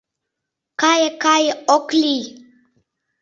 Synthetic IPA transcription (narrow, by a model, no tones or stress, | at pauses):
kajekajeɔkli